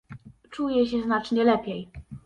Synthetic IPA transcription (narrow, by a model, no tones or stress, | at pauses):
t͡ʂujɛɕɛznat͡ʂɲɛlɛpʲjɛj